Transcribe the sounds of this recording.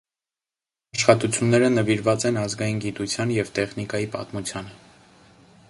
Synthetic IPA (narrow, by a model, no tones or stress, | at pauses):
ɑʃχɑt̪ut͡sʰjunːɛɾənəviɾvɑt͡sɛnɑzɡɑjinɡit̪ut͡sʰjɑnjɛvt̪ɛχnikɑjipɑ̰t̪mut͡sʰjɑnə